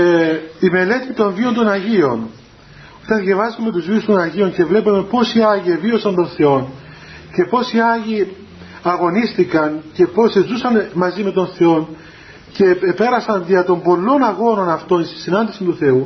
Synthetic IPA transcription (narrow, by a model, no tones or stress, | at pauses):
ime̞le̞t̪it̪o̞nvio̞nd̪o̞nɐʝio̞n | o̥t̪ɐnðʝɐvɐzumːet̪uzviust̪o̞nɐʝio̞nce̞vle̞pɐme̞po̞siɐʝievio̞sɐnt̪o̞nθe̞o̞n | ce̞po̞siɐʝi | ɐɣo̞nist̪ikɐnce̞po̞sezusɐnmɐzime̞t̪o̞nθe̞o̞n | ce̞pe̞ɾɐsɐnðiɐt̪o̞mbo̞lːo̞nɐɣo̞no̞nɐft̪o̞nist̪i̥sinɐnd̪isint̪uθe̞u